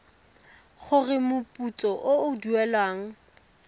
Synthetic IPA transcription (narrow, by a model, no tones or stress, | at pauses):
χʰʊrɪmʊpʼut͡sʼɔʔʊʊduɛlwaːŋ̩